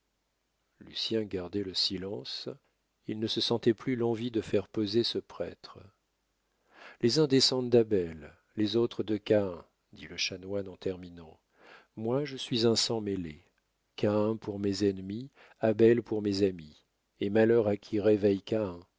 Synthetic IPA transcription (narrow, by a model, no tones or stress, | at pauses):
ly̰sjɛ̃ɡaʁd̪ɛləsilɑ̃s | ilnəsəsɑ̃t̪ɛplylɑ̃vid̪əfɛʁpøzesəpχɛ̰t̪χə | lezɛ̃d̪esɑ̃d̪d̪abɛlː | ezot̪χəd̪əkaɛ̃ | d̪iləʃanwanɑ̃t̪ɛʁminɑ̃ | mwaʒəsɥizɛ̃sɑ̃mele | kaɛ̃puʁmezɛnmi | abɛlpuʁmezami | emalœʁakʲʰiʁevɛjkaɛ̃